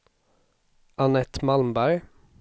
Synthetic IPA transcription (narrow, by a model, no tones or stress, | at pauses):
anɛt̪malmbæɾ